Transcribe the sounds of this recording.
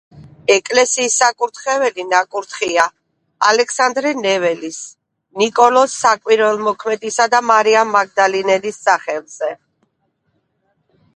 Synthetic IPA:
ɛkʼlɛsiːsːakʼuɾt̪ʰχɛvɛlinakʼuɾt̪ʰχia | alɛksand̪ɾɛnɛvɛlis | nikʼɔlɔsːakʼwiɾvɛlˠmɔkʰmɛd̪isad̪amaɾiamːaɡ̚d̪alinɛlisːaχɛlˠz̥ɛ

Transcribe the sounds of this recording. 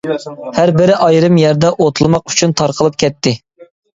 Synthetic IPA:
hæɾbɪɾɪʔɑjɾɨmjɛɾd̪ɛʔot̪ʰulˠmɑq̚y̥t͡ʃʰynt̪ʰɑɾqʰəlˠɨp̚kʲʰɛt̪ʰːɪ

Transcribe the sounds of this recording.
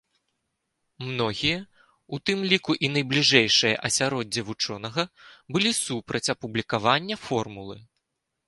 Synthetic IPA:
mnɔɣʲijɐ | ut̪ɨmlʲikuʔinɐjblʲiʐɛjʂɨjɐ̰ʔɐsʲaɾɔd͡zʲːɐvut͡ʂɔn̪ɐɣɐbɨlʲisupɾɐt͡sʲɐpublʲikavanʲːɐfɔrmulˠɨ̰

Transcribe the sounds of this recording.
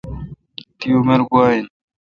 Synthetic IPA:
t̪ijomeɾɡuaːin

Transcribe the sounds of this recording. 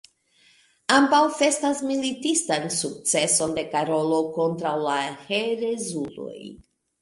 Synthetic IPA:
ambawfe̞stasmilitistansuk̚t͡se̞so̞nde̞kaɾo̞lo̞ko̞ntɾawlaheɾezulo̰j

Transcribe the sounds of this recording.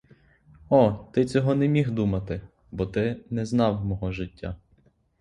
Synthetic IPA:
ɔt̪ɪt͡sʲɔɦɔnɛmʲixd̪umɐt̪ɪ | bɔt̪ɪnɛznɑwmɔɦɔʒɪtʲːa̰

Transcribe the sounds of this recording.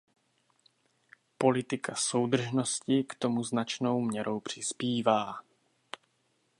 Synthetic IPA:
po̞lɪt̪ɪkʰaso̞wd̪r̩ʒno̞scɪkt̪o̞muznat͡ʃnowmɲɛɾo̞wpr̝̥ɪspiːvaː

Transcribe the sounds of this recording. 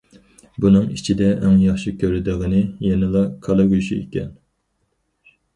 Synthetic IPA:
bunɨŋit͡ʃʰid̪ɛʔɛŋjɑχʃikʲʰøɾɪd̪ɨʁənɨjɛnɪlˠɑkʰɑlˠɑɡʲyʃiḛkʲɛ̰n

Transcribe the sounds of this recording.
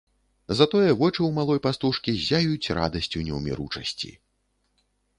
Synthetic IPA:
zat̪ɔjɛvɔt͡ʂɨwmalˠɔjpast̪uʂkʲizʲajut͡sʲra̰d̪ɐsʲt͡sʲunʲɛwmʲḭɾut͡ʂɐsʲt͡sʲḭ

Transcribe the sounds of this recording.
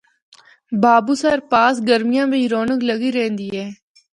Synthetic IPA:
baːbuːsaɾpaːs̬ɡəɾmɪjãːbʱĩːɾoːnəkləɡiɾẽːnd̪iːɦɛː

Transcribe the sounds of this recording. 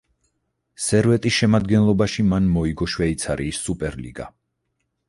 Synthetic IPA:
sɛɾvɛt̪ʼisʃɛmad̪ɡɛnlˠɔbaʃimanmɔiɡɔʃwɛit̪sʰaɾiːsːupʼɛɾlḭɡa̰

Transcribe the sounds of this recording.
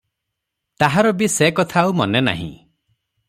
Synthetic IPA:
t̪aɦaɾɔbisekɔt̪ʰaumɔnena̰ɦḭ̃

